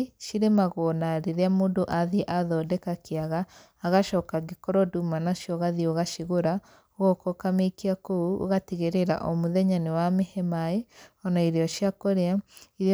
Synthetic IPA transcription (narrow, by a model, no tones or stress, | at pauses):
ʃiɾemaɣɔnaɾeɾeamoːndoʔaðiʔaðɔːdɛkakeaɣaː | ɣaʃɔːkaɡekɔɾɔdumanaʃjɔɣaðioɣaʃiɣoɾa | oɣɔkɔkamekiakouo̰ɣatiɣeɾeɾa̰ʔomoðɛɲanewamehɛmaeɔnaiɾeɔʃjakoɾeaiɾ